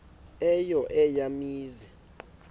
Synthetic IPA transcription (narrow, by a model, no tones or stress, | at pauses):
ɛjɔʔɛjamiːzɛ